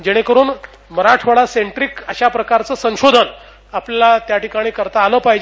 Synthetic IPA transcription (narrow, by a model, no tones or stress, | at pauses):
d͡ʑeɽ̃ekəɾuːn | məɾaʈʰʋəɭaseɳʈɾikəɕapɾəkaɾt͡səːsə̃w̃ɕod̪ʱən | apljalat̪jaʈikaɽ̃iːkəɾt̪aːləːpaɦjd͡ʑ